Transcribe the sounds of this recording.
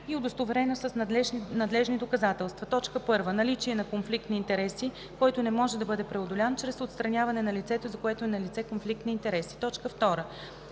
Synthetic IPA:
iod̪ost̪ovɛɾɛnosɐsnɐd̪lɛʒnid̪okɐzat̪ɛlˠst̪vɐt̪ɔt͡ʃkəpɤɾvənɐlit͡ʃiɛnɐkonflik̚t̪nəint̪ɛɾɛsi | kɔjt̪onɛmɔʒɛd̪ɐbɤd̪ɛpɾɛod̪olʲant͡ʃɾɛsot̪st̪ɾɐnʲjavɐnɛnɐlit̪sɛt̪ozɐkoɛt̪oɛnɐlit̪sɛkonflik̚t̪nəint̪ɛɾɛsi̥t̪ɔt͡ʃkəft̪ɔɾə

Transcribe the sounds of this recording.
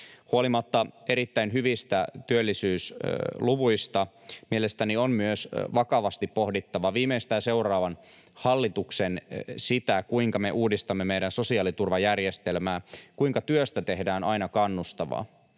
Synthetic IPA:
huolimɑt̪ːɑeɾit̪ːæinɦyʋist̪æt̪yølːisyːsluʋuist̪ɑmielest̪ænionmyøsʋɑkɑʋɑst̪ippohdit̪ːɑʋɑʋiːmeist̪æːnse̞urɑːʋɑnhɑlːit̪uksensit̪ækuiŋkɑmeʔuːdist̪ɑmːemejdænso̞siɑːlit̪urʋɑjærjest̪elmæːkuiŋkɑt̪yøst̪æt̪eɦdæːnɑjnɑkɑnːust̪ɑʋɑ̰

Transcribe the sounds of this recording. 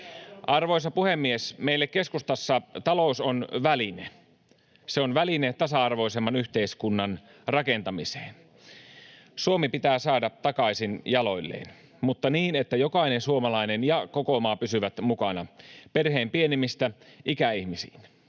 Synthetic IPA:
ʔɑrʋoisɑpuhemːiesmeilːekkeskust̪ɑsːɑt̪ɑlousonʋæline | seonʋælinet̪ɑsɑɑrʋo̞isemːɑnyht̪eiskunːɑn | rɑkent̪ɑmise̥ːn | suomipit̪æːsɑːdɑt̪ɑkɑisinjɑloilːḛːn | mut̪ːɑniːnet̪ːæjokɑinensuomɑlɑinenjɑkokomɑːpysyʋæt̪mukɑnɑperɦeːmpienimist̪æʔikæihmisḭːn

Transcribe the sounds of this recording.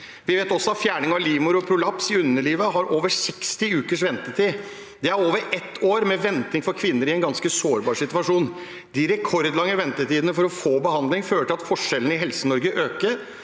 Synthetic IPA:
ʋɪʋeːt̪ɔsɔɑfjæːɳɪŋɑʋliːmʊɾɔpʰɾʊlɑpsɪʉnːəliːʋəɦɑɾʔoːʋəsɛkst̪ɪʉːkəʂʋɛnt̪ət̪ʰi | d̪ɛæɾoːʋəɾɛt̪ʰːoːɾmɛʋɛnt̪ɪŋfɔɾkʰʋɪnːəɾɪɛnɡɑnskəsoːɾbɑːɾʂɪt̪ʉʋɑʂuːn | d̪ɪɾɛkʰɔɾd̪lɑŋːəʋɛnt̪ət̪iːd̪ənəfɔɾɔfoːbəhɑnd̪lɪŋføːləʈʰɪlɑt̪fɔʂɛlən̩ɪɦɛlsənɔɾɡəʔøːkəɾ

